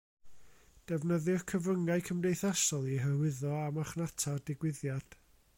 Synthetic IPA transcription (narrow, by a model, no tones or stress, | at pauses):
d̥ɛvnəðɪrkʰəvrəŋaɨkʰəmdejθasɔlˠiɦəwɪðɔamaχnatʰardɪɡwɪðjad̥